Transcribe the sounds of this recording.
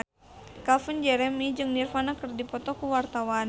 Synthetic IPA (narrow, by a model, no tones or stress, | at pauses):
kafund͡ʒɛɾɛmid͡ʒɨŋnirfanakɨrdipɔt̪ɔkuwart̪awan